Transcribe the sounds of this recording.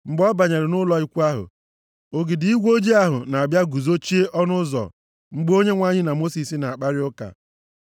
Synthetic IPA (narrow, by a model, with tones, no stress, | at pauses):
ŋ͡m̩˦ɡ͡bɔ˦ba˨ɲe˨ɾɪ˨nʊ˦lɔ˦i˦kʷu˦a˦ɦʊ̰˨ | o˦ɡɪ˨dɪ˨˦i˦ɡʷo˦d͡ʒi˦a˦ɦʊ̰˨na˨a˨bja˦ɡu˨zo˦t͡ʃi˦e˦ʔɔ˦nʊ˦zɔ̰˨ | ŋ͡m̩˦ɡ͡bo˦ɲe˦ŋʷa˦ɲɪ˦na˨mo˦si˨si˦na˨a˨k͡pa˦ɾɪ˦ʊ˦ka̰˨